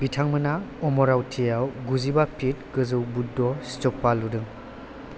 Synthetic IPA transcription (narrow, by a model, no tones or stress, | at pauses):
bitʰaŋmɯnaɔmɔɾawtʰijawɡuzibapʰit̚ɡɯzɯwbudɔsi̥t͡ʃɔpːaludɯŋ